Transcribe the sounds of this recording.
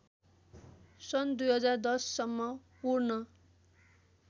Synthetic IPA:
sʌnd̪ujɦʌd͡zard̪ʌsːʌmːʌpurnʌ

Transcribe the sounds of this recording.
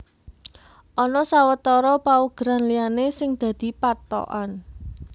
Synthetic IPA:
ʔɔnɔsawət̪ɔɾɔpauɡ̥ɾanlianesɪŋd̪̥ä̤d̪̥i̤pat̪ɔ̰ʔan

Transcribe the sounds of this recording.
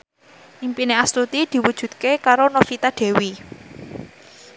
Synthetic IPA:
ʔimpineast̪ut̪id̪̥i̤wud̥ʒ̥ṳt̪̚kekaɾonofit̪aɖ̪̥ɛ̤wi

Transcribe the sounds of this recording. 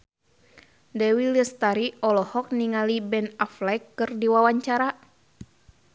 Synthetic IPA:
dɛwiləst̪aɾiɔlɔhɔk̚niŋalibɛnaflajkːɨrdiwawaɲt͡ʃaɾa

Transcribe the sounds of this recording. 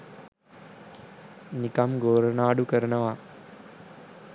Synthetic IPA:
nikɐmɡoːɾɐnaːɖukəɾɐnɐʋa

